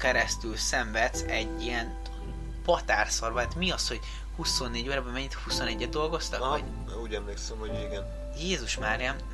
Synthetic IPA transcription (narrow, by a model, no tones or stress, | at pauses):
kɛɾɛst̪ylsɛɱvɛt̪sɛɟːijɛn | pɒt̪aːrsɒrbɒat̪miɒsho̞ɟ̥ | huso̞nːeːɟoːɾɛbɛmɛɲːit̪husonɛɟːɛd̪̚d̪o̞lɡo̞st̪ɒo̰ | uːɟɛmleːksɛmhoɟeɡɛn | jeːzuʃmaːɾiam